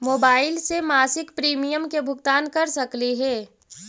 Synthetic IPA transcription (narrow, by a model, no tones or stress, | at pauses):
moːbaːɪlsemaːsɪkpɾiːmijəmkebʱʊɡt̪aːnkɐɾsɐkliɦɛː